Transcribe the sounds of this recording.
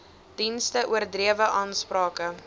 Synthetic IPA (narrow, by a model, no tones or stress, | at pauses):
d̥instəʔuərdriəvəʔɑːnsprɑːkə